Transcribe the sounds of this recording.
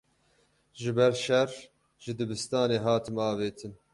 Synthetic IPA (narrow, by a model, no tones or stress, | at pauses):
ʒɨbɛɾʃɛr | ʒɨd̪ɨbɨst̪ɑːneːɦɑːt̪ʰɨmɑːveːt̪ʰɨn